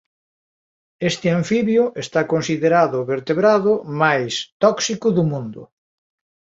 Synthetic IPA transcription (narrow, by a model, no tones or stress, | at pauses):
est̪ɪaɱfiβjʊʔest̪akonsiðeɾaðʊβeɾt̪eβɾaðʊmajst̪ɔksikʊðʊmũnd̪ʊ̰